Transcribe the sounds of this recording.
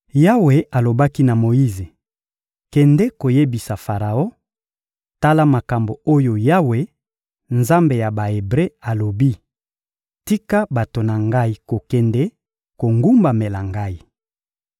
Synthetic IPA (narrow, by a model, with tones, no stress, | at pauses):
ja˦we˨ʔa˨lo˨ba˦ki˦na˨mo˨i˦ze˨ | kɛ˨ndɛ˦ko˨je˦bi˨sa˨fa˨ʁa˨o˦ | ta˦la˦ma˨ka˨mbo˨o˦jo˨ja˦we˨ | nza˦mbe˨ja˨ba˨e˨bʁe˦a˨lo˨bi˦ | ti˦ka˦ba˨to˨na˨ŋɡa˦i˦ko˨kɛ˨ndɛ˦ | ko˨ŋɡu˦mba˨me˨la˨ŋɡa˦i˨